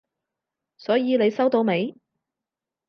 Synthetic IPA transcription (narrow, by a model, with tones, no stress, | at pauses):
sɔː˨˥jiː˧ne˨˧jsɐ˥wt̪o˧wme˨˧j